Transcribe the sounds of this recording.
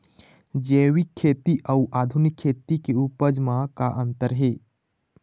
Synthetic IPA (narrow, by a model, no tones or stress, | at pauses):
d͡ʒeːwikʰːeːt̪iʔəuʔaːd̪ʱunɪkʰːeːt̪ikeupəd͡ʒmãkaʔə̃nt̪əɾɦeː